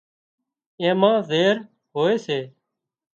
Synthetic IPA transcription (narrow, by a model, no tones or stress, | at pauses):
ẽːmãːzeːɾ | ɦoːeːseː